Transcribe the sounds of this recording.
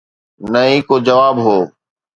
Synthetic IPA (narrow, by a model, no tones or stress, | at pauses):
nəɦĩːkoːd͡ʒəʋaːbɦoː